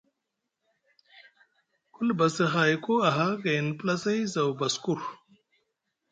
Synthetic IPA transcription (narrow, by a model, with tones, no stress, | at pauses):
ku˦lba˨si˨xaː˨jko˦a˨ɦa˦ɡe˨n˨plɐ˦se˦jza˨wbɐ˨sku˦ɾ